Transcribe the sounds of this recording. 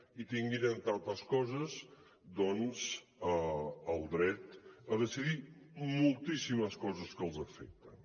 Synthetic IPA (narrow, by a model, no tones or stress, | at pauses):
it̪iŋɡeɾənt̪ant̪əskɔzəz | d̪ɔnz | əəlˠd̪ɾɛt̪əðəsiðimulˠt̪isiməskɔzəskəlˠzəfɛk̚t̪ən